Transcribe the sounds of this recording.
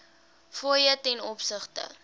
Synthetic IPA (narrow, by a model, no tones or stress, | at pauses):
fuəjətɛnɔpsəχtə̰